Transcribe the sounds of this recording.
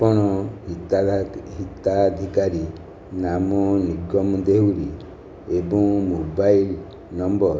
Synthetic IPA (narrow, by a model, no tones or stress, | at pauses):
pɔɽ̃ɔit̪ɦit̪ad̪ʱikaɾi | namɔniɡɔmd̪ewɾi | ebɔŋmobail | nɔmbɔɾ